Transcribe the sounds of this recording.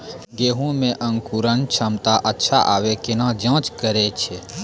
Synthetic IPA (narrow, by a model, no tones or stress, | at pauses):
ɡeːɦũmẽʔə̃ŋkuɾənt͡ʃʰəmt̪aʔətːʃʰaʔaːʋekenãd͡ʒãːt͡ʃkəɾet͡ʃʰe